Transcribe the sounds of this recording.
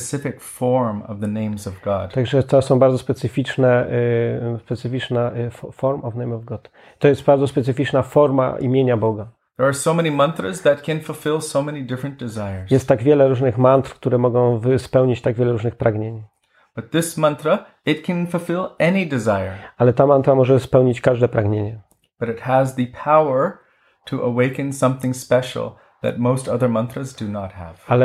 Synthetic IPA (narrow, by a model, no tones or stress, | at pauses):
sɪfɪkfɔɹmʌ̰vðɨnẽɪ̃mzʌvɡɑ̰d̥t̪aɡʐɛt̪ɔsɔ̃w̃baɾdzɔspɛt̪sɘfʲit͡ʂnɛ | spɛt̪sɨfʲit͡ʂnɛfɔɾmɔvnejmɔvɡɔt̪ | t̪ːɔjɛst̪̚baɾd̪zɔspɛt̪sɘfʲit͡ʂnafɔɾma̰ʔḭmʲjeɲabɔɡa | ðə˞ːsoʊmɛnimʌ̃nθɹəzðɨt̚kʰɨ̃nfl̩ˠfɪlˠsoʊmɛnidɪfɹɨ̃nd̥ɨzaɪə˞zjɛst̪ːaɡvʲjɛlɛɾuʐnɘxmant̪ɾkt̪uɾɛmɔɡɔ̃w̃vɪspɛwɲit͡ɕt̪aɡvʲɛlɛɾuʐnɨxpɾaɡɲeɲ | b̥ʌt̪̚ðɪsmʌ̃nθɹə | ɨt̚kʰɨ̃nfl̩ˠfɪlˠɛnidɨzaɪə̰˞alɛt̪amant̪ɾamɔʐɛspɛwɲit͡ɕkaʐd̪ɛpɾaɡɲeɲɛ | b̥ʌɾɨt̚həzðɨpʰaʊə˞ | tʰɨʔəweɪkɨ̃nsʌ̃mθɪ̃ŋspɛʃl̩ˠ | ðɨ̰t̚moʊstʌðə˞mʌ̃nθɹəzdɨnət̚hə̰v̥alɛ